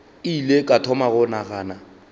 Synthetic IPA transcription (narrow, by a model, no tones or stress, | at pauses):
ilekʼatʰɔmaɣʊnaɣaːna